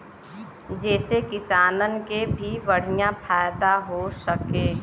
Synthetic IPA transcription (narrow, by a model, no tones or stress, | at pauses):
d͡ʒɛːsekɪsaːnənkebʱiʋəɽ̤ijãpʰaːjt̪aɦosəkeː